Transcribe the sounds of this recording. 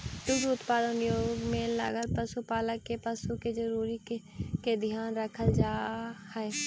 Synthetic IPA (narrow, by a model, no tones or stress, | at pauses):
d̪ʊɡʊt̪paːd̪ənjoːɡmẽlə̰ɡəlpəsupaːləkːepəsuked͡ʒəɾuːɾi | ked̪ʱɪjaːnɾəkʰəld͡ʒaːhɛe